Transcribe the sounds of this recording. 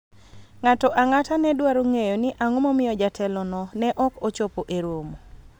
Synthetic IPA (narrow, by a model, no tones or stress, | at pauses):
ŋatɔʔaŋatanɛdwaɾoŋejonɪʔaŋomɔmɪjɔd͡ʒatʰɛlɔnɔnɛʔɔkot͡ʃopoʔeɾwomo